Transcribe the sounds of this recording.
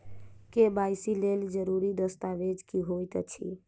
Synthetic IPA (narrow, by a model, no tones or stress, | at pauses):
kebajsileld͡ʒəɾuɾid̪əst̪aʋed͡ʒkiɦojt̪ə̰t͡ʃʰḭ